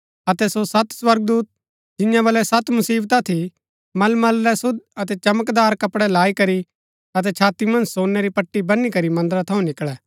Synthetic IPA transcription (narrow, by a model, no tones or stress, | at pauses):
ɐt̪ɛsosɐt̪swɐɾɡ̚d̪uːt̪̚ | d͡ʒɪ̃jãʋɐlɛsɐt̪mʊsiːbt̪at̪ʰi | mɐlmɐlːɛsʊd̪̚ɐt̪ɛt͡ʃɐməkd̪aːɾkɐpɽɛlaːikɐɾi | ɐt̪̬ɛt͡ʃʰaːt̪imɐ̃nd͡ʒsoːnːɛɾipɐʈːibɐnːikɐɾimɐ̃nd̪əɾat̪ʰɐũnɪkɭɛː